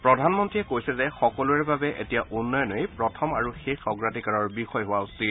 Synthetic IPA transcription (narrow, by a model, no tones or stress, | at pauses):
pɹɔdʱanmɔntɹiɛkojsɛzɛxɔkɔlʊɛɹbabɛʔetijaʔunːɔjɔnɔjpɹɔtʰɔmaɹuxexɔɡɹatikaɹɔɹbixɔjɦʊwaustit